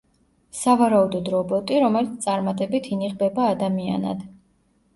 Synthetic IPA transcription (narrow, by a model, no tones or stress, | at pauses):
savaɾaud̪ɔd̪ɾɔbɔt̪ʼiɾɔmɛlit̪ʰt̪sʼaɾmat̪ʼɛbit̪ʰiniʁbɛbaːd̪amia̰na̰d̪̥